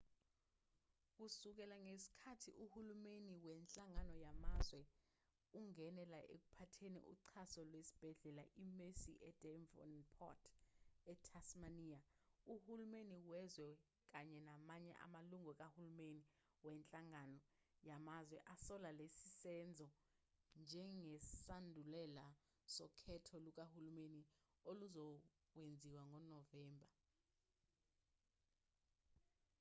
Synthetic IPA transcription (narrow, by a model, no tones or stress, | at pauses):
k̬usuk̬ɛlaŋesi̥kʰatʰḭʔuhulumeniwɛnt͡ɬʼaŋanɔjamazwɛ | uŋɛnɛlaʔḛk̬upʰatʰenḭʔṵǀʰasɔlwesi̥b̥ʱɛɮɛlaʔimesḭʔɛd̥ʱɛɱvɔ̰npʰɔ̰tʰɛtʰasmaniauhulumeniwɛzwɛ | k̬aɲɛnamaɲɛ̰ʔa̰maluŋɔk̬ʼahulumeni | wɛnt͡ɬʼaŋanɔ | jamazwɛʔasɔlalesisɛnd͡zʱɔ | nd͡ʒʱɛŋɛsandʱulɛla | sɔkʰɛtʰɔluk̬ʼahulumeni | oluzɔ | wend͡zʱiwaŋɔnɔvɛːmbʱa